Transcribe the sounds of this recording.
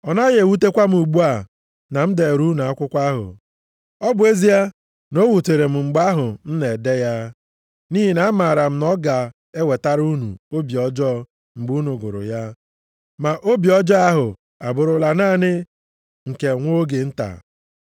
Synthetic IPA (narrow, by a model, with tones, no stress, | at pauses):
ɔ˨na˦ɣe˨wu˦t̬e˦kʷa˦m̩˦u˨ɡ͡bu˦a˨ | na˨m̩˦de˨ɾu˦na˨a˦kʷʊ˦kʷa˦ɦʊ̰˨ | ɔ˦bʊ˨˦e˦zi˦a˦ | no˦wu˨te˨ɾe˨m̩˨ŋ͡m̩˨ɡ͡ba˦ɦʊ˨n̩˦ne˨de˦ja˦ | ni˦ɦi˨na˦ma˨ɾa˨m̩˦nɔ˦ɡa˨ | e˦we˨ta˦ɾu˦nṵ˨o˦bi˨ɔ˨d͡ʒɔ˦ | ŋ͡m̩˨ɡ͡bu˦nu˨ɡʊ̰˨ɾʊ̰˨ja˦ | ma˨ʔo˦bi˨ɔ˦d͡ʒɔ˦a˦ɦʊ˨ | a˨bʊ˨ɾʊ˦la˨naː˦˨nɪ˦ | ŋ̩˨ke˨ŋʷo˦ɡe˨n̩˦ta̰˨